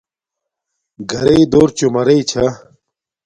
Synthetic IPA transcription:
ɡɐɾeid̪oːɾt͡ɕumɐɾeit͡ɕʰɐ

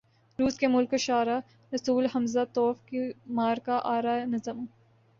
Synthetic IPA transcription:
ɾuːskemʊlkoʃaːɾa | ɾɐsuːlɦɐmzat̪ɔːfkimaːɾkaʔaːɾaːnɐzəmũ

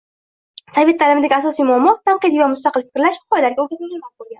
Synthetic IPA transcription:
save̞t̪ʰːalɪmɪd̪aɡʲasɒsijmʊɒmːɒt̪ʰamqɨd̪ijvamʊst̪aqɨlfɪ̥kʲɾlaʃhqʰɒjalaɾɡʲaoɡʲanmaŋʲemas̚bolˠɡʲan

